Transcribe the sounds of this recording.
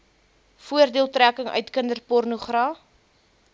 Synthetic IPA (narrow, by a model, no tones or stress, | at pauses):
fuərdiəlˠtrækəŋœ̰ɥtkəndərpɔrnuχrɑː